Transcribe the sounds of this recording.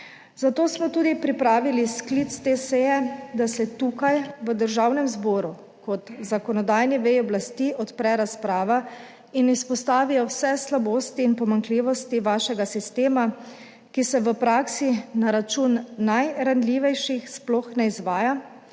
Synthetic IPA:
zat̪oːsmɔt̪uːd̪ipɾipɾaːʋilisklit̪st̪esɛjɛd̪asɛt̪uːkajʋəd̪əɾʒawnɛmzbɔːɾu | kɔt̪zakɔnɔd̪aːjniʋɛjɔblast̪iːʔɔt̪pɾɛɾaspɾaːʋa | inispɔst̪aːʋijɔwsɛslaboːst̪iːnpɔmaŋkliːʋɔst̪iʋaːʃɛɡasist̪eːma | kisɛʋəpɾaːksinaɾat͡ʃuːnːajɾanliːʋɛjʃixsplɔxnɛizʋaːja

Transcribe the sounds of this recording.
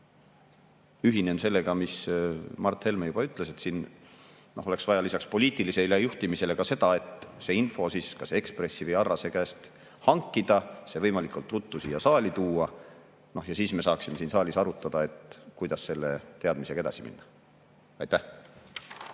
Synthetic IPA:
yɦinense̞lːe̞ɡɑmismɑrt̪ːhe̞lmejub̥ɑyt̪ːˑle̞se̞t̪siːn | nʔo̞ho̞le̞ksvɑjɑlisɑkspo̞lʲiːt̪ˑilise̞lejuht̪imise̞le̞kɑse̞d̪̥ɑe̞t̪se̞ːinfo̞siːskɑseekspre̞sːivəjɑrːɑse̞kæːst̪ | hɑŋkːˑid̪̥ɑse̞vɤjmɑlikˑult̪ːˑrut̪ˑːusijɑsɑːlʲit̪uːɑ | no̞hjɑsiːsme̞sɑːksime̞siːnsɑːlʲisɑɾut̪ːˑɑd̪̥ɑe̞t̪kujd̪̥ɑsːe̞lːe̞t̪e̞ɑd̪miseɡɑed̪ɑ̰simḭnːɑ̥ | ɑ̰jt̪ːæh

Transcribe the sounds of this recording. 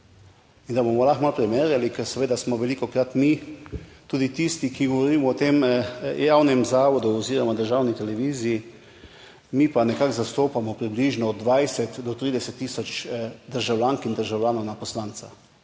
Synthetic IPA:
ind̪abomɔlaxmalpɾɛmeːɾjalikɛɾsɛʋeːd̪asmɔʋɛlikɔkɾat̪mi | t̪uːd̪it̪ist̪ikiɡɔʋɔɾiːmɔːt̪emjawnɛmzaːʋɔd̪uɔziːɾɔmad̪əɾʒaːwnit̪ɛlɛʋiːziji | mipanɛkakzast̪oːpamɔpɾibliʒnɔːd̪ːʋajsɛt̪d̪ɔt̪ɾiːd̪ɛsɛt̪ːisɔt͡ʃd̪əɾʒawlʲjaŋkind̪əɾʒawlʲjaːnɔwnapɔslaːnt̪sa

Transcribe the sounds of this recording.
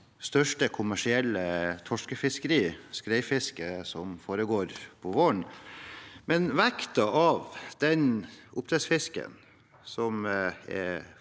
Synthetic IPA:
st̪œʂʈəkʰʊmæʂɪɛlːət̪ʰɔʂkəfɪskəɾiːskɾæɪfɪskəsɔmfoːɾəɡoːɾpʰɔʋoːɳ | mɛnʋækt̪ɑʔɑʋd̪̥ɛnʔʊpt̪ɾɛsfɪskə̰n | sɔmɛ̰

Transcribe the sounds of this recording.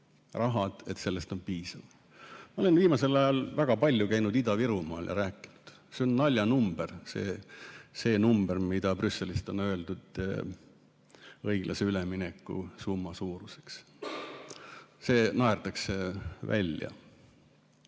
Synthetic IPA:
rɑɦɑd̪̥e̞t̪se̞lːest̪o̞npiːsɑv | mɑo̞le̞nviːmɑse̞lɑjɑlvæɡ̥ɑpɑlʲːjukæjnud̪̥id̪ɑviɾumɑ̰ːljɑ̰ɾæːkːˑi̥nu̥d̪̥ | seonːɑlʲjɑnumb̥ersḛːse̞ːnumb̥ermid̪̥ɑprysːe̞list̪o̞nø̞e̞ld̪ud̪̥ | ɤ̞jɡ̥lʔɑ̰seyleminekːˑṵsumːɑsuːɾuseks | se̞ːnɑert̪ɑksevæ̰lʲjɑ̰

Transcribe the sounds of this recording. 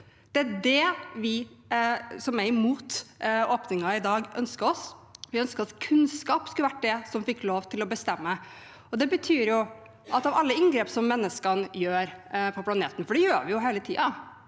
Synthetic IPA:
d̪̥ɛæɖɛʋɪ | sɔmæɾɪmuːt̪oːpnɪŋɑɪd̪ɑːɡœ̰nskəɾɔsʋɪœnskəɾɔskʰʉnskɑːpskʉləʋæʈ̚ːd̪ɛsɔmfɪkːloːʋt̪ʰɪlɔbəst̪ɛmːə | ɔd̪ɛbət̪ʰyːɾjʊ | ʔɑt̪ɑʋɑlːəɪŋɡɾeːpsɔmːɛnːəskɑnjøːɾpʰɔpʰlɑneːt̪ən̩fɔɖɛjøːɾʋɪjʊɦeːlət̪ʰḭːɑ

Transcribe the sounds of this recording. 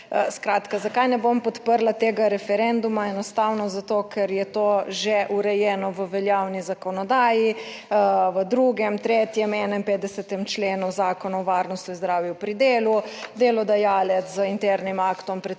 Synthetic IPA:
skɾaːt̪kazakajnɛbompɔt̪pəɾlat̪eːɡaɾɛfɛɾɛnd̪umaɛnɔst̪aːwnɔzat̪okʰɛɾjɛt̪oʒɛʔuɾɛjɛːnɔʋəʋɛljawnizakɔnɔd̪aːji | ʋəd̪ɾuɡɛmt̪ɾet̪jɛmɛnɛmpeːt̪d̪ɛsɛt̪ɛmt͡ʃleːnuzaːkɔnaɔʋaɾnɔst̪juinzd̪ɾaːwjɛwpɾid̪eːlud̪eːlɔd̪ajaːlɛzəint̪ɛɾnimakt̪ɔmpɾɛ

